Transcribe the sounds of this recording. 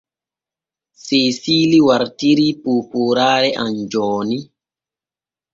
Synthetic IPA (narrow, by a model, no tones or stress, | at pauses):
sesiːliwaɾtiɾipupuɾaːɾɛʔand͡ʒɔːni